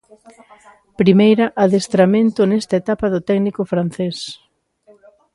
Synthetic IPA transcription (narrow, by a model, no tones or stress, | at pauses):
pɾimejɾɐʔaðest̪ɾamẽnt̪ʊnɛst̪ɐet̪apaðʊt̪ɛɡnikʊfɾan̟θes